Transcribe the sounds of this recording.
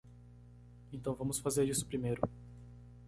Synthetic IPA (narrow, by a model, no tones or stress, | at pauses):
ẽt̪ɐ̃w̃vɐ̃mʊsfazeɾisʊ̥pɾimejɾʊ